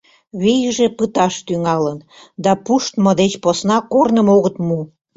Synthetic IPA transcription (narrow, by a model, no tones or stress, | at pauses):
βijəʒepət̪ɑʃt̪yŋɑlən | d̪ɑpuʃt̪mod̪et͡ɕposnɑkornəmoɣət̪mu